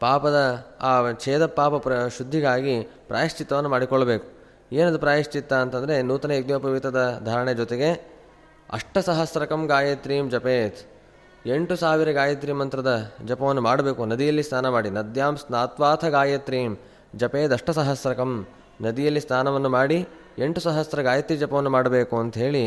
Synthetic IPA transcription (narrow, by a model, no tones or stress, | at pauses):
paːpɐd̪ɐaːt͡ʃʰeːd̪ɐpːaːpɐpɐʃud̪ʱːiɡaːɡipɾʔa̰ːjɐʂt͡ʃit̪ːɐʋɐnːumaːɽikɔɭːɐbeːku̥ | eːnɐd̪upɾaːjiʃt͡ʃit̪ːɐːnt̪ɐnd̪ɐɾe̞nuːt̪ɐnɐeɡnjopɐʋit̪ɐd̪ɐd̪ʱaːɾɐɳed͡ʒɔt̪eɡe̞ | ɐ̰ʂʈɐsɐɦɐsɾɐkɐmɡaːjet̪ɾiːmd͡ʒɐpeːt̪ | eɳʈusaːʋiɾɐɡaːjɐt̪ɾimɐnt̪ɾɐd̪ɐd͡ʒɐpɐʋɐnːumaːɽɐbe̞ːkunɐd̪ijɐlːist̪ʰaːnɐmaːɽinɐd̪ʱjaːmsnaːt̪ʋaːt̪ʰɐɡaːjɐt̪ɾiːm | d͡ʒɐpe̞ːt̪ɐʂʈɐsɐɦɐsɾɐkɐm | nɐd̪ijɐlːist̪ʰaːnɐʋɐnːumaːɽi | e̞ɳʈusɐɦɐsɾɐɡaːjɐt̪ɾid͡ʒɐpɐʋɐnːumaːɽɐbe̞ːkuɐnt̪ɐɦe̞ːɭi